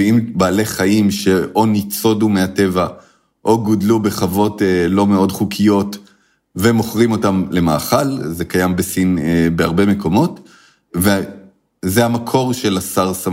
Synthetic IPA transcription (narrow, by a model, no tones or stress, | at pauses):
iimbaːle̞χaimʃe̞o̞nit͡sodumeate̞va | ʔo̞ɡodlube̞χavo̞telo̞me̞o̞dχukʰijo̞t | ve̞mo̞χʁimo̞tamle̞maːχalze̞kajambesinebeaʁbe̞me̞ko̞mo̞t | ve | zehamakʰo̞ʁʃe̞lasaʁsa